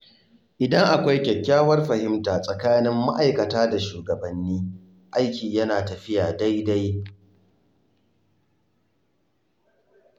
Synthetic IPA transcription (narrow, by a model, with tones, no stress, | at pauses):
ʔɪ˨dɐ˦ŋʔa˨kʷa˦jkʲɛ˨kʲːaː˦wɐ˦rɸɐ˨hɪ˦mtaː˨sʼɐ˨kaː˦nɪ˦mːa˦ʔa˨jkɐ˨taː˦da˨ʃuː˨ɡɐ˨bɐ˨nːiː˦ | ʔa˦jkʲiː˨jɐ˦naː˨tɐ˨ɸɪ˦jaː˨da˦jda˦j